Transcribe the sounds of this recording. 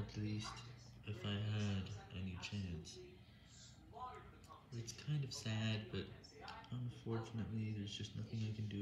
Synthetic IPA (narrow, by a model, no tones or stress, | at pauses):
ɨtʰˡlist | ʔɨfaɪə˞ɾʔɛnit͡ʃʰæ̃ns | ɨtskʰãɪ̃ndʌv̥sæd̚bʌɾ | ə̃ɱfɔɹt͡ʃɨnɨʔˡliðə˞zd͡ʒʌstⁿnʌθɪ̃ŋaɪkɨ̃n̩dɨ